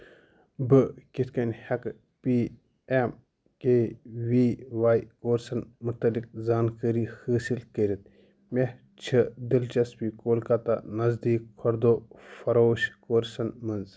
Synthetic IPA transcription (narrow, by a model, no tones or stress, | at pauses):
bɨkit̪ʰkɐnʲhɐk | piː | em | keːʋiːʋaːjkoːɾsɐnmʊt̪ɐlik̚zaːnkəɾiːhəːsilkəɾʲit̪̚ | meh | t͡ʃʰɐd̪ilt͡ʃɐspiːkoːlkɐt̪a̰nɐzd̪iːkkʰːɐɾd̪oːfɐɾoːʃkoːɾsɐnmɐnz